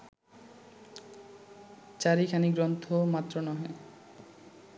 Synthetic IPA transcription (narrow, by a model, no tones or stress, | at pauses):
t͡ɕaɾikʰaniɡɾɔnt̪ʰomat̪ːɾonɔɦe